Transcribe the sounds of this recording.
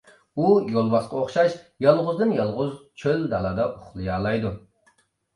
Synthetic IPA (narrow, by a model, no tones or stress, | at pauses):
ujolˠbɑsqɑoχʃɑʃjɑlˠʁʊzd̪ɨnjɑlˠʁʊzt͡ʃʰøld̪ɑlˠɑd̪ɑʔuχlˠɨjɑːlˠɑjd̪u